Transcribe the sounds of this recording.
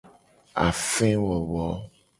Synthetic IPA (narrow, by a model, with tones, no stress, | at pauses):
a̰˨fɛ̃˦wɔ˨βɔ˨˦